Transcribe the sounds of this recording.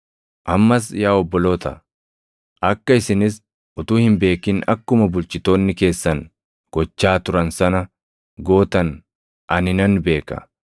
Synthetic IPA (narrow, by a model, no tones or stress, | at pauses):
ʔɐmːɐs̬jaːɔbːɔloːt̪ɐ̰ | ʔɐkːɐɪsɪnɪs | ʊt̪uːhɪmbe̞ːkɪnɐ̰kːʊmɐbʊlt͡ʃɪt̪o̞ːnːɪke̞ːsːɐn | ɡ̥ɔt͡ʃːaːt̪ʊɾɐnsɐnɐ | ɡo̞ːt̪ɐn | ʔɐnɪnɐnbe̞ːkɐ̰